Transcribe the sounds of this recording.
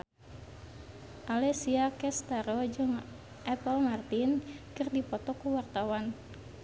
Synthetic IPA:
ʔalɛsiakɛst̪aɾɔd͡ʒɨŋ | ʔɛpəlmart̪inkɨrdipɔt̪ɔkuwart̪awan

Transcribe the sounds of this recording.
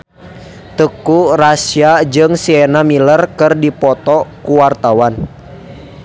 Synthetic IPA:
t̪əkurasiad͡ʒɨŋsiɛnamilərkɨrdipɔt̪ɔkuwart̪awan

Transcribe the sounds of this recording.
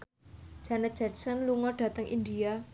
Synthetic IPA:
k | d͡ʒ̥anḁd͡ʒ̥arsanluŋɔɖ̥a̤t̪əŋʔḭndia

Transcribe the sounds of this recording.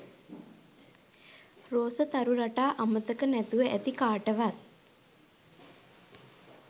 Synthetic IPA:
roːsət̪aɾuɾaʈaːʔamət̪əkənæt̪uʋəʔæt̪ikaːʈəʋat̪̚

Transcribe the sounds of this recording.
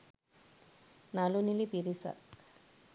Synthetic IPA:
naːlunilipiɾisa̰

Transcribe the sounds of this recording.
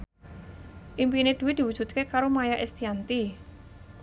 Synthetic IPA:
ʔimpined̪̥ṳwɪd̪̥i̤wud̥ʒ̥ṳt̪̚kekaɾomajaʔest̪iant̪i

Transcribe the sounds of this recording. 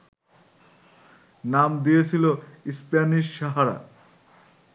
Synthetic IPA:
namd̪ijet͡ɕʰiloispaniʃːaɦaɾa̰

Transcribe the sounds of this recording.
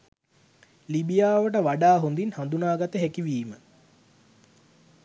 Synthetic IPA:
libijaːʋəʈəʋaɖaːɦond̪inhand̪unaːɡat̪əɦækiʋiːmə

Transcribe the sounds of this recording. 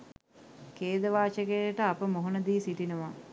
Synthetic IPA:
keːd̪əʋaːt͡ʃəɡeʈəapəmoɦonəd̪iːsiʈinəʋa

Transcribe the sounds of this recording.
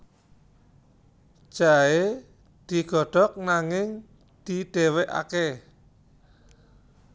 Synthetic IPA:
ʒ̥ae | d̪̥i̤ɡ̥ɔ̤ɖ̥ɔ̤k̚naŋɪŋ | d̪̥iɖ̪̥e̤weʔa̰ke

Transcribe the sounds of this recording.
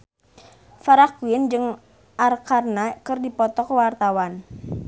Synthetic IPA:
faɾakuind͡ʒɨŋ | ʔarkarnakɨrdipɔt̪ɔkwart̪awan

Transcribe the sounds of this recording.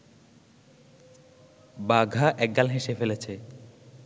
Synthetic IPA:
baɡʱaʔɛk̚ɡalɦeʃefelet͡ɕʰe

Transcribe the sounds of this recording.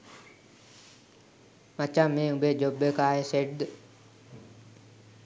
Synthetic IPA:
mɐt͡ʃamẽːubeːd͡ʒobəkaːɦeseʈd̪

